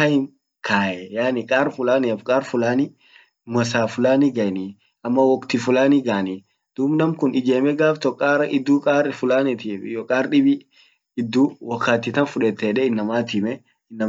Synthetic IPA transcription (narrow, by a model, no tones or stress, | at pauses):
ɐɪn | kʰaːʔɛjaːnɪkʼaːɾfʊlaːnifkʼaːɾfʊlaːnɪ | mɐsaːfʊlaːniɡɐjni | ɐmːɐwɔkt̪ɪfʊlaːniɡaːni | d̪̥uːbnɐmkʊnɪd͡ʒeːmɛɡaːft̪ɔkʼːaːɾɐɪd̪ːuːkʼaːɾfʊlaːnɛt̪iːfjɔkʼaːɾɗɪbɪ | ɪd̪ːuːwɔkːaːt̪ːɪt̪ɐnfʊᶑɛt̪ːɛːᶑɛɪnːɐmaːt̪ɪmɛ | ɪnːɐ